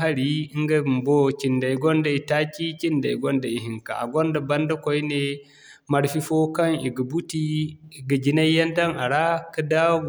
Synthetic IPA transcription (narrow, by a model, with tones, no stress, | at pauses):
a˦ɾi˦i˦ŋɡa˦˨m˨bo˦ki˨nda˨jɡɔ˦nda˨i˨ta˦kʲi˦ki˦nda̰˨i˨ɡɔ˦nda˨i˨ɦi˨ŋka̰˨a̰˨ɡɔ˦nda˨bɐ˦nda˦ko˦jne˦ | ma˨ɾfi˦fo˦ka˦ŋḭ˨ɡa˨bu˦ti˦i˨ɡɐ˨d͡ʒi˦na˦jja˦nda˦na˨ɾa˦ka˦da˦wɡ